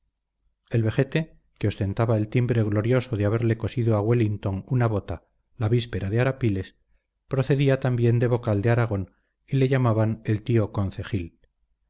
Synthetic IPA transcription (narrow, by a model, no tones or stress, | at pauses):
e̞lβe̞xe̞t̪e̞ | keo̞st̪e̞nt̪aβae̞lt̪imbɾe̞ɣlo̞ɾjo̞so̞ðeaβe̞ɾle̞ko̞siðoaɣwelint̪o̞ŋunaβo̞t̪a | laβispe̞ɾaðeaɾapile̞s | pɾo̞θe̞ðiat̪ambje̞nd̪e̞β̞o̞kald̪eaɾaɣ̞o̞n | ile̞ʝamaβane̞lt̪io̞ko̞n̟θe̞xil